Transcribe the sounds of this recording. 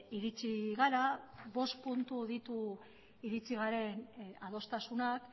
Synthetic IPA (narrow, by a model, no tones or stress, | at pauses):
iɾit͡siɣaɾaβo̞st̪punt̪uðit̪u | iɾit͡siɣ̞aɾe̞nað̞o̞st̪asunak